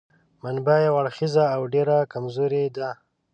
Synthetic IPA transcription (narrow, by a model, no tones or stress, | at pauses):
manbajawaɽxizaːwɖeɾakamzoɾed̪a